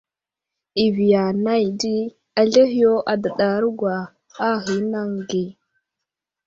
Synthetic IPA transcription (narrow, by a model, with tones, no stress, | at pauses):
i˨vi˨ja˨na˦jdi˦ | a˨ɮe˦ɦi˦jo˦ʔa˨da˨ɗa˨˦ɾɡʷwa˨ | a˦ɦi˨˦na˦ŋɡi˨